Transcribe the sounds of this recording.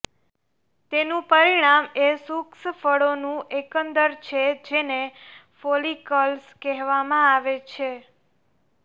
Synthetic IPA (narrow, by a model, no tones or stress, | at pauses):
t̪enũpəɾiɽ̃amesuksfəɽonũʔekənd̪əɾt͡ʃʰed͡ʒenefolikəlskɛɦʋamãaʋet͡ʃʰe